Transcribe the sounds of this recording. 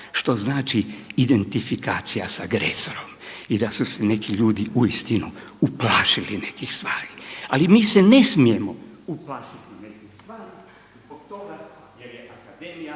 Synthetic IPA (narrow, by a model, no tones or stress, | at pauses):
ʃt̪o̞znaːt͡ʃiid̪e̞nt̪ifikaːt̪sijasaɡɾḛso̞ɾo̞mid̪asusene̞kiʎuːd̪iʔuist̪inuuplaːʃiline̞kixst̪ʋaːɾi̥alimiːsene̞smije̞mouplaʃit̪inekist̪ʋaːɾi | zboɡt̪oa | jjakad̪emi